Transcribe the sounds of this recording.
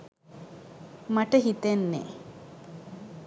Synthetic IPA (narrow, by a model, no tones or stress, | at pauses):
mɐʈəɦit̪enːḛ